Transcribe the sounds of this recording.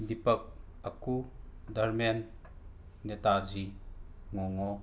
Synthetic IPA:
d̪ipɐk̚ | ɐkud̪ɐrmenː | ɛt̪aziŋɔŋɔ

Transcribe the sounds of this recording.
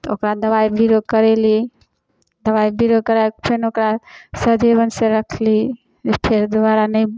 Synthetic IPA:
okɾad̪əβaibiɾod̪̚kəɾeli | d̪əβaibiɾod̪̚kəɾapʰenokɾasəd̪ʱebənsẽɾəkʰli | d͡ʒepʰeɾd̪aɾanəj

